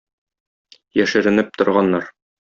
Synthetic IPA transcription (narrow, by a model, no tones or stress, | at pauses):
jæʃɘ̆ɾɘ̆nɘp̚t̪ŏɾʁɑnːɑɾ